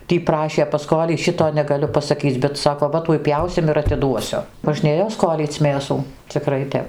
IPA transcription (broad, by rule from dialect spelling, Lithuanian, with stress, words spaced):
ˈtʲiː ˈprɑːʃʲeː pɐˈskoːlʲiː ˈʃʲɪtoː nʲɛɡɐˈlʲʊ pɐsɐˈkʲiːt͡sʲ bʲɛt ˈsɑːkoː ˈʋɐ ˈtuɔj ˈpʲjɛʊsʲɪm ɪr ɐtʲɪˈduɔsʲʊ moːʒʲˈnʲeːjoː ˈskoːlʲiːt͡sʲ ˈmʲeːsuː t͡sʲɪˈkrɐɪ ˈtʲɛp